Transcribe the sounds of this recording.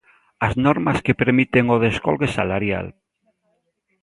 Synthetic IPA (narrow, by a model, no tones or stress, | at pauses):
aznoɾmaskepeɾmit̪eŋoð̞eskolɣesalaɾja̰l